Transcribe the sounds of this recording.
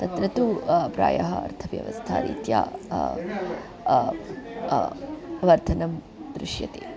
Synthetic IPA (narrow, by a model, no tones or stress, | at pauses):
t̪ɐt̪ɾɐt̪upɾaːjɐɦɐɐ̰ɾt̪ʰɐʋjɐ̰ʋɐ̰st̪ʰa̰ːɾḭːt̪ja̰ː | ʋɐɾt̪ʰɐnɐm | d̪ɾuʂjɐt̪eː